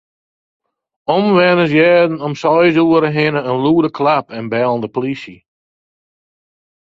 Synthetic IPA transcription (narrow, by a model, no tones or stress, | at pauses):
ɔmʋɛnəs̬jɛːdn̩ɔmsɔjzuːəɾəɦɪnəənluːdəkʰlapɛnbɛlˠəndəpolisjə